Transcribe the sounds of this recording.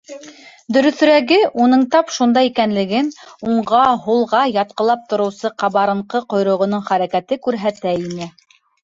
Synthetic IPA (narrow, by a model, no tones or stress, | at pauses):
d̪ɵ̆ɾɵ̆θ̆ɾæɡɘʔunɤɴt̪ɑpʃund̪ɑjikænlɘ̆ɡɘnuɴʁɑɦulˠʁɑjɑt̪̚qɤ̆lˠɑp̚t̪ŏɾɤ̆wsɤqɑβɑɾɤ̆ɴqɤqŏjɾŏʁŏnɤɴχæɾækæt̪ɘkʉɾɦæt̪æinɘ